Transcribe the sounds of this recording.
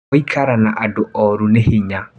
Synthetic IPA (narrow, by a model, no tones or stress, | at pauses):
ikʰaɾanaʔadoʔɔɾunehiɲa